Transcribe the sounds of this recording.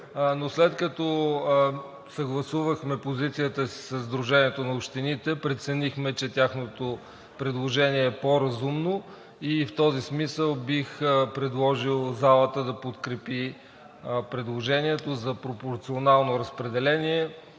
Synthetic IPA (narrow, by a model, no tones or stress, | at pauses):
noslɛt̪kɐt̪ɔ | sɐɡlˠɐsuvəxmɛpozit̪sijət̪əsi̥səzd̪ɾuʒɛniɛt̪onɐopʃt̪init̪ɛpɾɛt̪sɛnixmɛt͡ʃɛt̪ʲjaxnot̪o | pɾɛd̪lˠoʒɛniɛːpoɾɐzumno | ift̪ɔzismisəlˠbixpɾɛd̪lˠɔʒilˠzalˠət̪əd̪ɐpot̪kɾɛpi | pɾɛd̪lˠoʒɛniɛt̪ozɐpɾopoɾt̪sionalˠnoɾɐspɾɛd̪ɛlɛniɛ